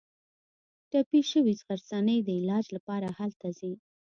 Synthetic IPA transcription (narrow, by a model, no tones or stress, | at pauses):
ʈapiʃəwisɣaɾsɑnəjd̪əɪlɑd͡ʒlapɑɾahalt̪azi